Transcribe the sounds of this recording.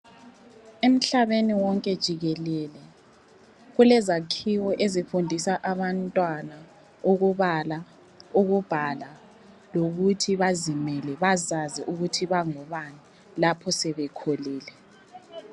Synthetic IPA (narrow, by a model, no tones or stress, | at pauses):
em̩ɬaβeniwɔŋkʼɛd̥ʒ̥ʱiɣɛlɛlɛ | ɣulɛzakʰiwɔʔezifundʱisaʔaβantʼwana | uɣuβala | uɣub̥ʱala | loɣutʰiβazimɛlɛβazaziʔuɣutʰiβaŋɔβani | lapʰɔsɛβɛkʰoliːlɛ